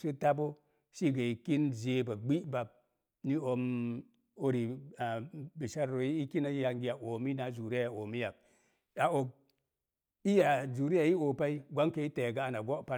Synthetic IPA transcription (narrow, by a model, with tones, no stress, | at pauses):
si˦ta˦bo˦ | ʃi˦ɡa˨i˨ki˦nze˨ba˨ɡ͡bi˦ba˨b̚ | ni˦o˨m | o˦ɾi˨a˨bi˨ʃa˦ɾːo˨i˦i˦ki˦na˦ja˨ŋɡi˨ja˨ʔo˨mi˦na˨˦d͡ʒu˨ɾi˦a˦˨ja˨o˨mi˦ja˨b̚ | a˨o˨k̚ | i˦ja˨d͡ʒu˨ɾi˦ja˨ji˦o˨pa˦i˦ɡʷa˦ŋke˨i˦te˨ɡa˦a˨na˨ɡo˦pa˦